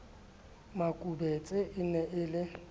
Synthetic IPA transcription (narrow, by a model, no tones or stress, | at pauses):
makʼubɛt͡sʼɪʔɪnɛʔɪlɪ